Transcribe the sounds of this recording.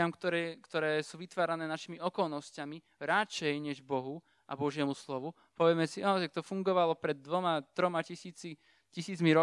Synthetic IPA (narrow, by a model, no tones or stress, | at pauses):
amkt̪ɔkt̪ɔɾɛːsuːʋit̪ʋaːɾanɛːnaʃimiɔkɔlnɔscami | ɾat͡ʃɛjɲɛʒbɔɦu | ʔa̰bɔʒɪɛmuslɔʋu | pɔʋjɛmɛsiat̪ak̚t̪ɔfuŋɡɔʋalɔpɾɛd̪̚ːʋɔmat̪ɾɔmacisiːt͡si | cisiːt͡smiɾɔ